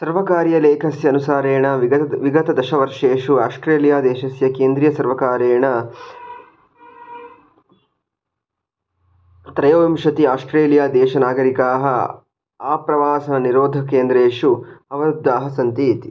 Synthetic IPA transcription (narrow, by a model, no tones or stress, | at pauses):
sɐɾʋɐkaːɾjɐleːkʰɐsjɐːnusaːɾeːɳɐʋiɡɐt̪ɐd̪ɐʃɐʋɐɾʂeːʂuaːsʈɾeːljaːd̪ɛːʃɐsjɐkeːnd̪ɾijɐsɐɾʋɐkaːɾeːɳɐ | t̪ɾɐjoːʋimʃɐt̪iaːsʈɾeːlijaːd̪ɛːʃɐnaːɡɐɾikaːɦɐ | aːpɾɐʋaːsɐnɐniɾoːd̪ʱɐkeːnd̪ɾeːʂuɐʋɐɾud̪ːaːɦɐsɐnt̪iːt̪i̥